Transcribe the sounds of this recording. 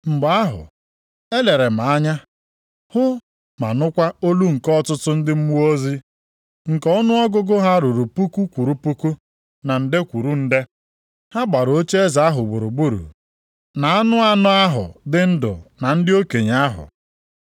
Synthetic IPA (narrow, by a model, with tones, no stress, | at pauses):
m̩˨ɡ͡ba˦ɦʊ̰˨ | e˦le˨ɾe˨ma˨a˦ɲa˦ | hʊ˦ | ma̰˨nʊ˦kʷa˦o˦lu˦ŋ̩˨kɔ˦tʊ˦tʊ˦n̩˦dɪ˦m̩˦mu˦o˦zi˦ | ŋ̩˨kɔ˦nʊ˦ɔ˦ɡʊ˦ɡʊ˦ɦa˦ɾu˨ɾu˨pu˦ku˦kʷu˨ɾu˦pu˦ku˦ | na˨n̩˨dɪ˦kʷu˨ɾu˦n̩˦de˦ | ha˦ɡ͡ba˨ɾo˦t͡ʃe˦e˦za˨a˦ɦʊ˨ɡ͡bʊ˨ɾʊ˨ɡ͡bu˦ɾṵ˨ | na˨a˦nʊ˦a˦nʊ˦a˦ɦʊ̰˨dɪ˦n̩˦dʊ̰˨na˨n̩˦dɪ˦o˦ke˨ɲ˨a˦ɦʊ̰˨